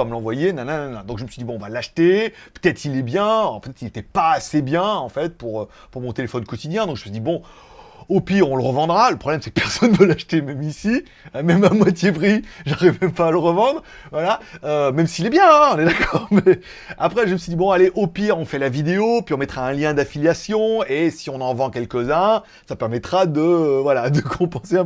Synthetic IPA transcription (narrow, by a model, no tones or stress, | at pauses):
aməlɑ̃vwajenãnɛ̃nanɛ̃d̪ɔ̃kʒəməsɥid̪ibɔ̃ɔ̃valaʃt̪epø̥t̪ɛt̪χilɛbjɛ̃pøt̪ɛt̪χilet̪ɛpaːsebjɛ̃ɑ̃fɛt̪̚puʁø | puʁmɔ̃t̪elefɔnkɔt̪id̪jɛ̃d̪ɔ̃kʒəməsid̪ibɔ̃ | opiʁɔ̃ləʁəvɑ̃d̪ʁaləpχɔblɛmsɛkəpɛʁsɔnːvølaʃt̪emɛmisi | mɛmamwat̪jepʁiʒaʁivmɛmpaːləʁəvɑ̃d̪ʁ | vwalaømɛmsiːlɛbjɛ̃ɔ̃nɛd̪akɔːʁmɛ | apχɛʒəməsɥid̪ibɔ̃aleʔopiʁɔ̃fɛlavid̪eopɥiɔ̃mɛt̪χaɛ̃ljɛ̃d̪afiljasjɔ̃esiɔ̃nɑ̃vɑ̃kʲɛlkʲəzɛ̃ | sapɛʁmɛt̪χad̪əvwalad̪əkʰɔ̃pɑ̃seɛ̃